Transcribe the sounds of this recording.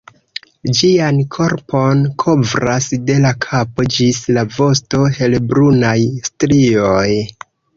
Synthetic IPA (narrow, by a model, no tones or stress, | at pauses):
d͡ʒiankʰo̞ɾpʰo̞nkʰo̞vɾasde̞lakʰapo̞d͡ʒislavo̞sto̞he̞lbɾunajstɾio̞j